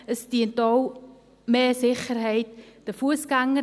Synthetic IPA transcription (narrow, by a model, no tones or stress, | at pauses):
əsdiəntɔw | meːzɪχərɦɛjt̚d̥əfuəsɡaŋə